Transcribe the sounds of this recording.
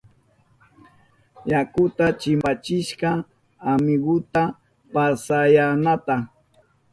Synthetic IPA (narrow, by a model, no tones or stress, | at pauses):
jakʊt̪at͡ʃɪmat͡ʃɪʃqɑ | amɪɡʊt̪a | pasajanat̪a